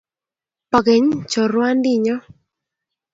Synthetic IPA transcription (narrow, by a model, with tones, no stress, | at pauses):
pa˨ke˨ɲt͡ʃɔ˨ɾwa˦ndɪ˦ɲɔ˦